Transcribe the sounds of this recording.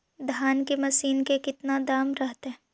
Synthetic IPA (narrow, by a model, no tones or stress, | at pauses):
d̪ʱjaːnkemɐsiːnkekɪt̪nad̪aːmɾɐɦt̪eɦɛ